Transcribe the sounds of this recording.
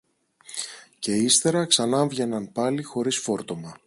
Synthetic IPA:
ce̞ist̪e̞ɾɐksɐnɐɱvʝe̞nɐnpɐlixo̞ɾisfo̞ɾt̪o̞mɐ

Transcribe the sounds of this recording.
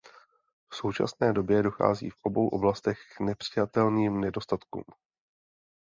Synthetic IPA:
fso̞wt͡ʃa̰snɛːdo̞bjɛdo̞xa̰ːzḭːfʔo̞bo̞wʔo̞blast̪ɛxknɛpr̝̥ɪjat̪ɛlniːmnɛdo̞st̪at̪kṵːm

